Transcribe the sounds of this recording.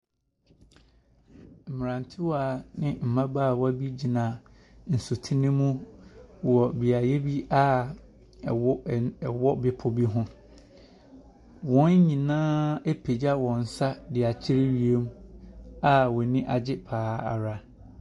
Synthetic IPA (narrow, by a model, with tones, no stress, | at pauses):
m̩˨m˨ɾã˨n˨tʰɪ˦waː˨nɪ̃˦m̩˨mã˦baː˦˨wa˦bi˦d͡ʑi˨nã˨ | n̩˨su˨tʰi˦nɪ̃˦mũ˦ | wɔ˨bi˨a˨jɛ˦bi˦a˦˨˦ | wɔ˦bɪ˨pʰʊ˨bi˦ɦʊ̃˦ | wɔ̃˦n˦ɲĩ˨nãː˦e˦pʰe˨d͡ʑa˦wɔ̃˨n̩˨sa˦dɪ˨a˨t͡ɕʰɪ˦ɾɪ˦ɥi˨e˦m̃˦a˦wɔ˨nɪ̃˦ʔa˨d͡ʑɪ˦pʰaː˨˦a̰˨ɾa˦